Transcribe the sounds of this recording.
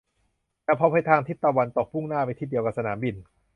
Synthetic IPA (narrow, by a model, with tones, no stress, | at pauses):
lɛː˦˥˩pʰɔ˧˥pʰa˧˩jt̪ʰaː˧ŋt̪ʰi˥˩t̪ːɔː˧˩wa˧nt̪o˨˩k̚pʰu˥˩ŋnaː˥˩pa˧jt̪ʰiː˧˩di˧əka˨˩p̚sa˧naː˩˦mbi˨˧n